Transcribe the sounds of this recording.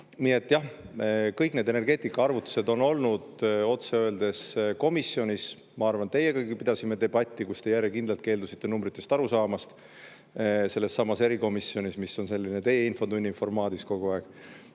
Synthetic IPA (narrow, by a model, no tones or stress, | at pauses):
nie̞t̪ːˑjɑh | kɤjkne̞ːd̪e̞ne̞rɡe̞ːt̪ˑikːˑɑɑrvut̪ːˑu̥se̞d̪o̞no̞lnud̪̥o̞t̪seøeld̪e̞sko̞misːio̞nʲis | mɑɑrvɑnt̪e̞jeɡɑɡipid̪̥ɑsimːe̞t̪e̞b̥ɑt̪ʲːikust̪e̞jærjekind̪lɑlt̪ke̞ːld̪usit̪ːe̞numbɾit̪ːˑe̞st̪ɑɾusɑːmɑst̪ | se̞lːesːɑmːɑse̞ɾiko̞misːio̞nʲismisːo̞nse̞lːine̞t̪e̞jeinfo̞d̪unʲːinfo̞rmɑːd̪̥isko̞ɡ̥uɑeɡ̥